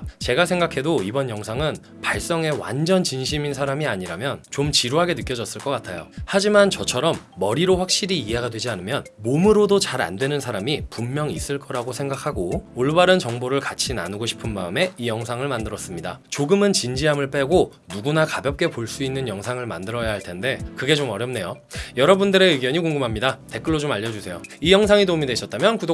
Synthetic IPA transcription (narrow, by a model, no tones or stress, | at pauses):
t͡ɕe̞ɡasʰe̞ŋɡakʰe̞doibʌnjʌŋsʰaŋɯn | paɭs͈ʌŋe̞wa̰nd͡ʑʌnt͡ɕinɕʰiminsʰaɾamiaɲiɾamjʌnt͡ɕomt͡ɕiɾoɦaɡe̞nɯk͈jʌd͡ʑʌs͈ɯɭk͈ʌk͈atʰajo̰had͡ʑimant͡ɕʌt͡ɕʰʌɾʌmːʌɾiɾoɸwak̚ɕ͈iɾiːeɦaɡadwe̞d͡ʑianɯmjʌnmomɯɾodot͡ɕaɾa̰ndwe̞nɯnsʰaɾamipumːjʌŋis͈ɯɭk͈ʌɾaɡosʰe̞ŋɡakʰaɡooɭbaɾɯnt͡ɕʌŋboɾɯɭkat͡ɕʰina̰nɯɡoɕʰi̥pʰɯnma̰ɯme̞ijʌŋsʰaŋɯɭmandɯɾʌs͈ɯmɲida̰t͡ɕoɡɯmɯnt͡ɕind͡ʑiɦamɯɭp͈e̞ɡo | nuɡunakabjʌp̚k͈e̞poɭs͈uinːɯnjʌŋsʰaŋɯɭma̰ndɯɾʌjaɦaɭtʰe̞nde̞kɯɡe̞t͡ɕomʌɾjʌmne̞jo | jʌɾʌbundɯɾe̞iɡjʌɲikoŋɡɯmɦamɲidate̞k͈ɯɭːod͡ʑomaʎjːʌd͡ʑusʰe̞joijʌŋsʰaŋidomidweɕʰʌt̚t͈amjʌnkud